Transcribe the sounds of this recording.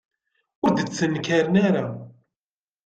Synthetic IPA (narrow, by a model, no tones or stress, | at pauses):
ʊɾðət͡sːənːkaɾnaɾa